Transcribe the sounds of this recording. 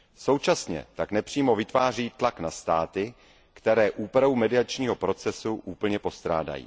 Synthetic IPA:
so̞wt͡ʃasɲɛ̰t̪aknɛpr̝̥iːmo̞vɪt̪vaːr̝iːt̪laknast̪aːt̪ɪ | kt̪ɛɾɛːʔuːpɾaumɛdɪat͡ʃɲiːɦo̞pɾo̞t͡sɛsuʔuːpl̩ɲɛpo̞st̪ɾa̰ːda̰jḭː

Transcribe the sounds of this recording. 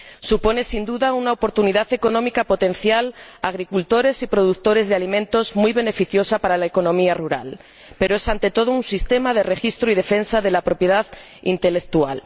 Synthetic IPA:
supo̞ne̞sind̪uðaunaopo̞ɾt̪uniðaθe̞ko̞nõ̞mikapo̞t̪e̞nθjala̰ɣ̞ɾikult̪o̞ɾe̞sipɾo̞ð̞ukt̪o̞ɾe̞zðe̞alimẽnt̪o̞zmujβ̞e̞ne̞fiθjo̞sapaɾalaeko̞nõ̞miaruɾa̰l | pe̞ɾoesant̪e̞t̪o̞ð̞ounsist̪e̞maðe̞re̞xist̪ɾoið̞e̞fe̞nsaðe̞lapɾo̞pje̞ðað | ḭnt̪e̞le̞k̚t̪ua̰l

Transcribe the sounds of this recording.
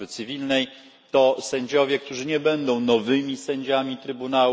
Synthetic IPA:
ɘt̪sɘvʲilnɛj | t̪ɔsɛɲd͡ʑɔvʲjɛkt̪uʐɘɲɛbɛnd̪ɔ̃w̃nɔvɘmʲisɛɲd͡ʑamʲit̪ɾɘbunaw

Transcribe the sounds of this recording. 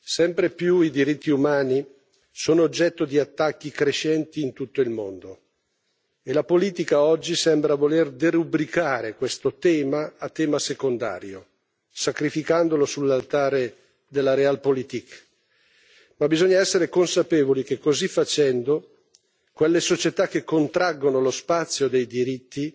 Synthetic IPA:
sɛmpɾepjuid̪iɾit̪ːiumaːni | soːnoːd͡ʒːɛt̪ːod̪iat̪ːakːikɾeʃɛnt̪iːnt̪ut̪ːoilmond̪o | elapoliːt̪ikaɔd͡ʒːisɛmbɾavolerd̪eɾubɾikaːɾekwest̪ot̪ɛːmaːt̪ːɛːmasekond̪a̰ːɾjo̰ | sakɾifikand̪olosulːalt̪aːɾe | d̪elːaɾealpolit̪ik | mabizɔɲːaɛsːeɾekonsapeːvolik̟ekːozifːat͡ʃɛnd̪o | kwelːesot͡ʃet̪ak̟ːekːont̪ɾaɡːonolospat̪sːjod̪ejd̪iɾit̪ːi

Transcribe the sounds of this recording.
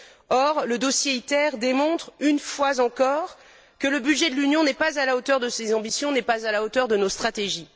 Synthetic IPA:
ɔʁləd̪osjeit̪ɛʁd̪emɔ̃t̪χynfwazɑ̃kɔʁ | kələbydʒɛd̪əlynjɔ̃nɛpazalaot̪œʁd̪əsezɑ̃bisjɔ̃nɛpazalaot̪œʁd̪ənost̪χat̪eʒi

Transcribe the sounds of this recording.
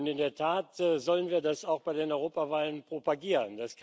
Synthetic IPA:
ʊntɪndeːɐtʰaːtːzɔlənviːɐdasaʊxb̥aɪdeːnʔɔʏʁoːpavaːlənpʁ̥opaɡiːʁəndaskʰ

